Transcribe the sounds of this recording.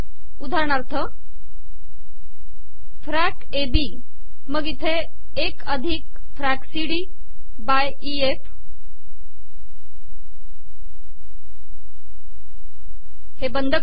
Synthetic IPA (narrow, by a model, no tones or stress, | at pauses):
ud̪ʱaɳaɾt̪ʰə | fɾæk | ebi | məɡit̪ʰeː | kəd̪ʱik | fɾæksiɽi | baj | ief | hebənd̪ʱə